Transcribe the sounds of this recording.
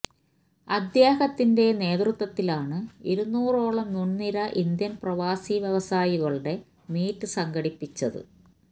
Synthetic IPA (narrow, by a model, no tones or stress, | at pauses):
ɐd̪jaːhɐt̪ːinde̞ne̞ːt̪rɨt̪wɐt̪ːilaːɳɨiɾunːuːro̞ːɭɐmnunːiɾɐʔind̪jɐmprɐʋaːsiʋjeʋɐsaːjiɣɐɭɽe̞ | miːtːɨsɐŋɡɐɽipːit͡ɕːɐðɨ̰